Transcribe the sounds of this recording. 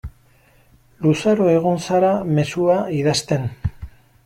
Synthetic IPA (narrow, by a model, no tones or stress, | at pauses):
lusaɾoe̞ɣ̞unsaɾame̞suaiðast̪e̞n